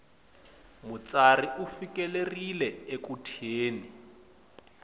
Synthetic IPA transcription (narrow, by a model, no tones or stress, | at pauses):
mut͡sariufikɛlerilɛekutʰeːni